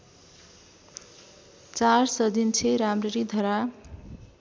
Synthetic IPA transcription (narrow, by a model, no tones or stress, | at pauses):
t͡sarsʌd̪int͡sʰeɾamreɾid̪ʱʌɾa